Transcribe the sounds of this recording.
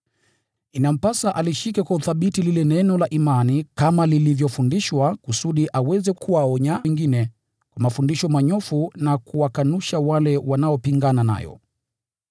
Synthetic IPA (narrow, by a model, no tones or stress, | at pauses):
inam̩pasaʔaliʃikɛkwauθaɓitililɛnɛnɔlaʔimanikamalilivjɔfundiʃwakusuɗiʔawɛzɛkuwaɔɲaŋɡinɛ | kwamafundiʃɔmaɲɔfunakuwakanuʃawalɛwanaɔpiŋɡanana̰jɔ̰